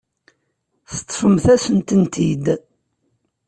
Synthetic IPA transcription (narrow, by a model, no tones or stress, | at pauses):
θə̥t̪ˤːfəmθæsənt̪ənt̪id̪